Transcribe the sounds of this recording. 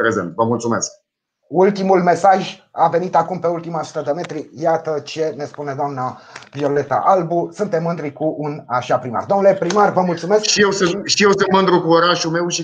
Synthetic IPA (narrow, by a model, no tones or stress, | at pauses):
pɾezent̪vəmult̪sumḛsk̚ | ult̪imulme̞saʒave̞nit̪akumpe̞ult̪imasu̥t̪əd̪eme̞t̪ɾijat̪ət͡ʃe̞ne̞spune̞d̪oamnavio̞le̞t̪a̰ʔalbusunt̪e̞mːɨnd̪ɾikuʔunaʃapɾima̰rd̪o̞mnule̞pɾimarvəmult̪sume̞skʃijewsɨʃijewsɨnmɨnd̪ɾukuoɾaʃume̞wʃi